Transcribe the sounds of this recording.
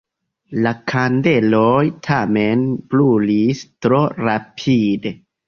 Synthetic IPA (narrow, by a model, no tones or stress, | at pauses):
lakʰande̞lojtʰame̞nplulistɾo̞ɾapʰide